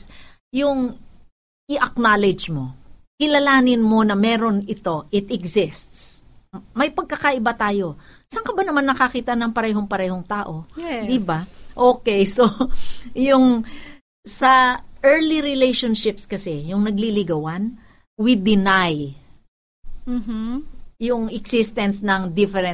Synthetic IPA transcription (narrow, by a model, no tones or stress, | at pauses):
s | jʊŋ | ʔɪʔɐk̚naːlɛd͡ʒmo̞kɪlɐlaːnɪnmo̞nɐmɛːɾo̞nɪt̪o̞ʔɪt̪ɛɡsɪst̪s | mɐjpɐɡ̚kɐkɐʔɪbat̪aːjo̞ | sɐŋkɐbanɐmanːɐkɐkiːt̪ɐʔnɐŋpɐɾɛːɦo̞ŋpɐɾɛːɦo̞ŋt̪aːʔo̞jd̪ɪbaʔoːkɛjso | jʊŋ | sɐʔɛɹliɾɪlejʃonʃɪpskɐsɛjʊŋnɐɡlilɪɡɐwan | wid̪ɪnaj | m | jʊŋɪksɪst̪ɛnsnɐŋd̪ɪfɛɾɛn